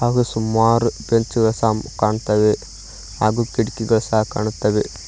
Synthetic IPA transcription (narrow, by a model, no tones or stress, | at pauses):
aːɡɐsumːaːɾpeɲt͡ʃuʋɐsaːmkaːɳut̪ːɐʋe | aːɡukiɽikːiɡɐɭsɐɦɐka̰ːɳut̪ːɐʋe